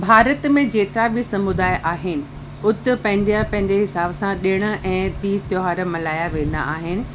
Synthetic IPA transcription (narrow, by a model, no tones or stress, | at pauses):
bʱaːɾət̪mẽd͡ʑeːt̪ɪɾabɪsɐmʊd̪aːjʔaːɦɪnɪ̆ | ʊt̪̆ːpɐ̃ɦɪ̃ɲd͡ʑjapɐ̃ɦɪ̃ɲ̆d͡ʑeɦɪsaːbsãɗɪɽ̃ə̆ʔɛ̃ːt̪iːzt̪joɦaːɾmɐlaːjaʋẽːn̆d̪a̰ʔaːɦɪnɪ̆